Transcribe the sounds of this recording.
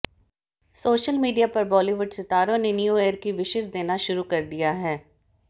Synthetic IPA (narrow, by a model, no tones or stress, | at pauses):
soːʃəlmiːɖijapɐɾbɔːliʋʊɖsɪt̪aːɾõnenijueːəɾkiʋɪʃɪʃd̪eːnaʃʊɾukɐɾd̪ijaɦɛː